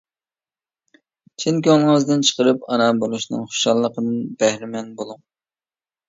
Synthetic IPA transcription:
t͡ʃʰinkʲiolŋɨzd̪ɨnt͡ʃʰə̥qəɾɨpɑnɑbolˠuʃnɨ̰ŋχo̥ʃɑlˠːəqənɨnbɛhɾɪmɛnbolˠu

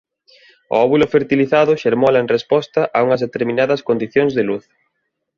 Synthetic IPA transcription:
ʊ̰ɔβulʊfeɾt̪iliθaðʊʃeɾmɔlɐenrespɔst̪ɐʔauŋɐzðet̪eɾmĩnaðɐskond̪iθjoŋzðeluθ

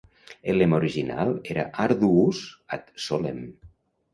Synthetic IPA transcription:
elemoɾiʒina̰lˠeɾa̰ʔaɾðuusat̪solem

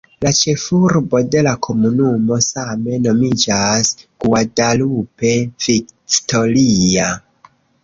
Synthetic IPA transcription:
lat͡ʃe̞fuɾbo̞de̞lakʰo̞munumo̞same̞no̞mid͡ʒasɡ̥uwadalupe̞v̥ikto̞ɾia

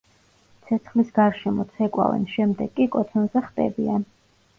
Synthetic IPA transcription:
t̪sʰɛt̪sʰχlisɡaɾʃɛmɔt̪sʰɛkʼwa̰vɛ̰nʃɛmd̪ɛɡʼikʼɔt̪ʰɔnzɛχd̪ɛ̰bian

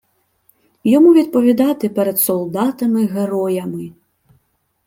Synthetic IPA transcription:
jɔmuvʲit̪̚pɐvʲɐd̪at̪ɨpʲɛɾɐt̪sɔlˠd̪at̪ɐmɨɣɛɾɔjɐmɨ

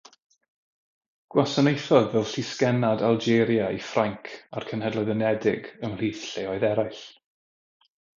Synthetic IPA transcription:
ɡ̥wasanejθɔðvɛlˠɬiskɛnadalˠd͡ʒɛɾjaifraŋkʰarkʰənhɛdlˠɔɨðənɛdɪɡəmr̥iːθɬejɔɨðɛɾaɨɬ

